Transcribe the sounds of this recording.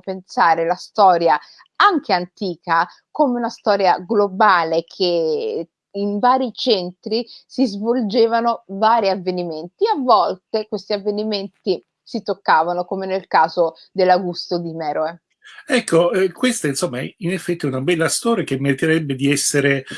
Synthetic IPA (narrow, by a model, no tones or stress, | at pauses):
pensaːɾelast̪ɔːɾja | aŋk̟eant̪iːka | komeunast̪ɔːɾjaɡlobaːlekʰeː | nvaːɾit͡ʃɛnt̪ɾisizvold͡ʒeːvanovaːɾiavːeniment̪iavːɔlt̪ekwest̪iavːeniment̪i | sit̪okːaːvanokomenelkaːzo | d̪elːaɡust̪od̪imɛːɾoe | ɛkʰːoɛkwest̪ainsomːaɛinefːɛt̪ːiɛunabɛlːast̪ɔːɾjakemːeɾit̪eɾɛbːed̪iɛsːeɾe